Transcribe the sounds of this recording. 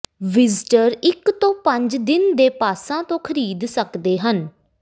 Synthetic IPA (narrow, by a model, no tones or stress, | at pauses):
ʋɪzʈəɾɪkt̪õːpəɲd͡ʒd̪ɪnd̪eːpaːsãːt̪õːkʰəɾiːd̪səkd̪eːɦən